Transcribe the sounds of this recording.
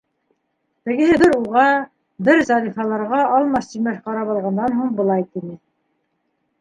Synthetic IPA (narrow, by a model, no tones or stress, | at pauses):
t̪ɘ̆ɡɘ̆ɦɘðɘɾuʁɑ | bɘɾzɑɾifɑlˠɑɾʁɑɑlˠmɑst̪imæʃqɑɾɑpɑlˠʁɑnd̪ɑnhuɴbɤ̆lˠɑjt̪inɘ